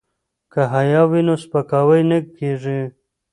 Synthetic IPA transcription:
kaɦajɑwinospakɑwəjnəkkːeʐi

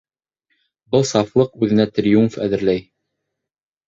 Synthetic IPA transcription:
bɤlˠsɑflˠɤqʉðɘ̆næt̪ɾʲjumfæ̰ðɘ̆ɾlæj

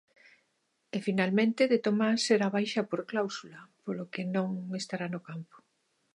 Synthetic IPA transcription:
efinalmẽnt̪ɪðet̪omaseɾaβ̞ajʃɐpoɾklawsulɐpolokenõŋest̪aɾanokampo̥

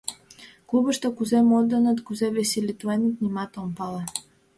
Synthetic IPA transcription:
klˠubəʃt̪əkuzɛmɔd̪ːənət̪kuzɛvesʲilʲit̪uɛnit̪nimat̪ompalˠa

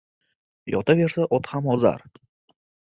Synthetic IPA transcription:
jɒ̰t̪ʰave̞ɾsaʔɔt̪hamɒza̰ɾ

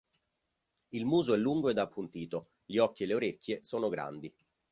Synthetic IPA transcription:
ilmuːzoɛlːuŋɡoed̪apːunt̪iːt̪o | ʎiɔkːieleoɾekʲːjesoːnoɡɾa̰nd̪i

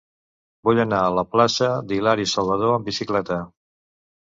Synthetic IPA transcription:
buʎənaələplasəd̪ilaɾisəlˠβəðoəmbisiklɛt̪ə

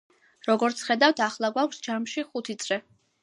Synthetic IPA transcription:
ɾɔɡɔɾt̪sʰχɛd̪aft̪ʰaχlˠaɡwakʷʰsd͡ʒamʃiχut̪ʰit̪sʼɾɛ

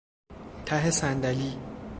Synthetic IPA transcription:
t̪ʰæɦesænd̪æliː

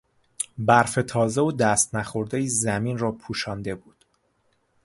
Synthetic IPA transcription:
bæɾfe̞t̪ʰɒːzeod̪æːst̪næxo̞ɾd̪ejiːzæmiːnrɒːpʰuːʃɒːnd̪e̞buːd̪̥

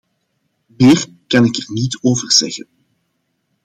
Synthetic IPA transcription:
meːr | kɑnɪkɛrnitoːvərz̥ɛɣən

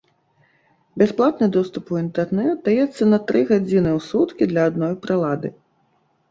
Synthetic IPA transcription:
bʲasplˠat̪nɨd̪ɔst̪upuint̪ɛrnɛt̪̚d̪ajɛt̪sːɐnɐt̪ɾɨɣad͡zʲinɨwsut̪kʲid̪lʲɐad̪nɔjpɾɨlˠad̪ɨ

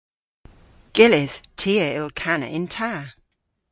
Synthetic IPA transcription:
ɡ̥ɪlɪθtʰiəɪlˠkʰanə̰ʔɪ̃ntʰa

